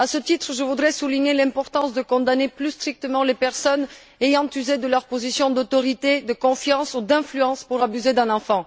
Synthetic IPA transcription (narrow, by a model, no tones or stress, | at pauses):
asət̪it̪χʒəvud̪ʁɛsuliɲelɛ̃pɔʁt̪ɑ̃sd̪əkɔ̃d̪aneplyst̪χik̚t̪əmɑ̃lepɛʁsɔn | ejɑ̃t̪yzed̪əlœʁpozisjɔ̃d̪ot̪ɔʁit̪ed̪əkɔ̃fjɑ̃sud̪ɛ̃flyɑ̃spuʁabyzed̪ɛ̃nɑ̃fɑ̃